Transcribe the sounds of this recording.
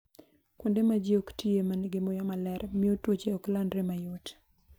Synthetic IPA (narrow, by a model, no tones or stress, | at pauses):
kwondemad͡ʒeoktʰiemanɡɪmojɔmalɛrmiotwot͡ʃeɔklandɾemajot